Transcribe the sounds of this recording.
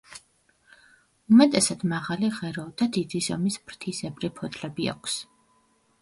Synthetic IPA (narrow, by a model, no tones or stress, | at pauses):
umɛt̪ʼɛsad̪̥maʁaliʁɛɾɔd̪̥ad̪id̪izɔ̰mismɾt̪ʰisɛbɾipʰɔt̪ʰʼlɛbia̰kʰs